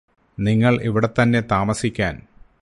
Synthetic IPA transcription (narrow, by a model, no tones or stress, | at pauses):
niŋːɐɭiʋiɽe̞t̪ːɐnːe̞t̪aːmɐsikʲːaːn